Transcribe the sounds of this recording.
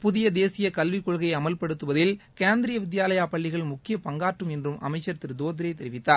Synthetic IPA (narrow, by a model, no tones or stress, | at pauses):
pʊðɪjɐd̪eːsɪjɐkɐlʋɪkːɔɻɣɐjɐmɐlpɐɽɯt̪ːɯʋɐðɪl | keːnd̪ɪɾɪjɐʋɪd̪jaːlɐjaːpɐɭːɪɣɐɭmʊkːɪjɐpɐŋɡaːʈrɯmɛndrɯmʔɐ̰mɐɪt͡ʃːɐɾt̪ːɪɾd̪oːt̪ɪɾɐɪt̪ɛɾɪʋɪt̪ːaː